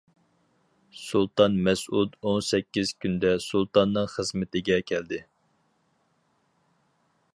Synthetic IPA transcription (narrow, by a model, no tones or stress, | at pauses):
sulˠt̪ɑnmɛsud̪onsɛkʲːiz̥kʲynd̪ɛsulˠt̪ɑnːɨŋχəzmɪt̪ɪɡʲɛkʲʰɛld̪ɪ